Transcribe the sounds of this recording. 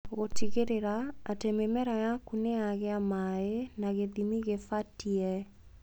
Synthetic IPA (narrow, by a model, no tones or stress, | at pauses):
ɣotiɣeɾeɾaːtememɛɾajakuneaɣeamaenaɣeðimiɣefatiɛ